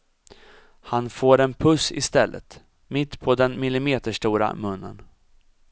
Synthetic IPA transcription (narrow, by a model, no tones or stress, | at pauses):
hanfoːɾɛnpʰɵsɪ̰st̪ɛlːʔə̰t̪ | mɪt̪ːpʰɔd̪ɛnmɪlɪmeːt̪əʂʈuːɾa̰mɵnːə̰n